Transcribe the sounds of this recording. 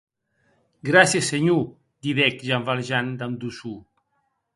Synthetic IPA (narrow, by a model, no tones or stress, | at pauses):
ɡɾasjeseɲu | d̪iβɛkʒaɱvalʒand̪amd̪usu